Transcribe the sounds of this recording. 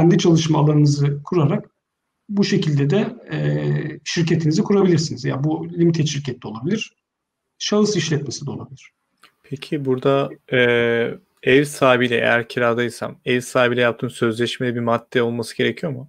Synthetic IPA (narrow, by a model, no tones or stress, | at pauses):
cʰænd̪it͡ʃʰalˠɯʃmaːlˠaɾɯnɯzɯkʰuɾaɾak | buʃe̞cʰilʲd̪ɛd̪ɛɛʃiɾcet̪ʰinizikʰuɾabilʲiɾsinizja̰bulʲimit̪ʰɛʃiɾcʰɛt̪̚ʰːʲɛo̞lˠabilʲiɾ̥ | ʃaɯsiʃlʲɛt̪̚me̞sid̪ɛolˠabilʲiɾ̥ | pʰecʰibuɾd̪aɛ | ɛvsaːbilʲɛ̰ʔḛjæɾcʰiɾaːd̪ajɯsa̰mɛvsaːbilʲɛjap̚t̪ʰɯːnsø̞zlʲɛʃmed̪ɛbimad̪ːɛo̞lˠmasɯɡɟe̞ɾecʰijoama